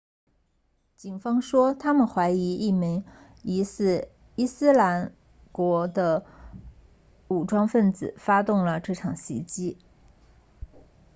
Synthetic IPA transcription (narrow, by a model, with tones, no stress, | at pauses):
t͡ɕi˨˩nfɑ˥ŋʂwɔ˥t̪ʰa˥mə˨nxwa˧˥ɪi˧˥i˥˩mi˧˥ŋ | i˧˥sɹ̩˥˩ | i˥sɹ̩˥la˧˥n | kwɔ˧˥d̪ə˧ | u˨˩ʈ͡ʂwɑ˥ŋfə˥˩nt͡sɹ̩˨˩˦fa˥t̪ʊ˥˩ŋlə˩ʈ͡ʂɤ˥˩ʈ͡ʂʰɑ˨˩ŋɕḭ˧˥t͡ɕi˥